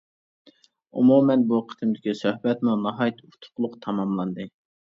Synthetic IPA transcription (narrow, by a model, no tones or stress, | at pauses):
ṵmumɛnbuqʰə̥t̪ʰɨmd̪ɪkʲisøhbɛt̪munɑɦɑjt̪ʰut̪ʰʊ̥qʰlˠʊqt̪ʰɑmɑmlˠɑnd̪ɨ